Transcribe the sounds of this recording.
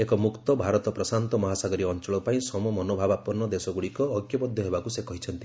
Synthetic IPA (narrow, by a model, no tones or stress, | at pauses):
ekɔmukt̪ɔbʱaɾɔt̪ɔpɾɔsant̪ɔmɔɦasaɡɔɾiɔnt͡ʃɔɭɔpaĩsɔmɔmɔnobʱabapɔnːɔd̪esɔɡuɽikɔːɡjɔpɔd̪ʱjɔɦebakusekɔɦit͡ʃʰɔnt̪i